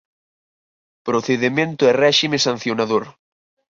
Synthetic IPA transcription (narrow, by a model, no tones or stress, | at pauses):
pɾoθeðemẽnt̪oɛrɛʃimesan̟θjonaðoɾ